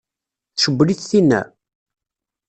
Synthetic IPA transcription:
θʃəbːliθθinːæ̰

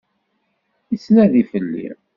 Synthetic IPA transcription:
isnæðifəlːḭ

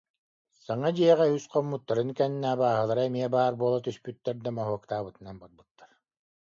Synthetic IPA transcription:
saŋad̪iɛʁɛysqɔmːut̪ːaɾɯnkɛnːɛabaːɦɯlˠaɾɯɛmiɛbaːɾbuɔlˠat̪yspyt̪ːɛɾd̪amɔɦuɔkt̪aːbɯt̪ɯnanbaɾbɯt̪ːaɾ

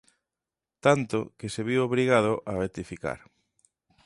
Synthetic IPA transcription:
t̪ant̪o̰keseβiwoβɾiɣað̞ʊʔaβet̪ifika̰ɾ

